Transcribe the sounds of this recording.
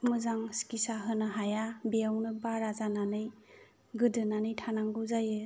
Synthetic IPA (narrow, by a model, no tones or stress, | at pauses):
mɯzaŋskisaɦɯnɯɦajabejawnɯbaɾazananɯj | ɡɯdɯnanɯjtʰanaŋɡɯwzajɯ